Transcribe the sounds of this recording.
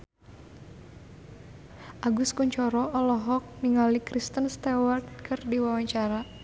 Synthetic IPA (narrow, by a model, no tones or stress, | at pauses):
ʔaɡʊskuɲt͡ʃɔɾɔʔɔlɔɦɔk̚niŋalikɾist̪ənst̪ɛwart̪̚kʰɨrdiwawaɲt͡ʃaɾa